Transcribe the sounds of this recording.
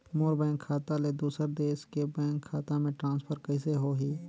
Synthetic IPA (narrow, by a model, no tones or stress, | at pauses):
moːɾbɛ̃ːŋkʰːaːt̪aled̪uːsəɾd̪eːʃkebɛ̃ːŋkʰːaːt̪amẽʈɾãːnspʰəɾkəɪseɦoɦiː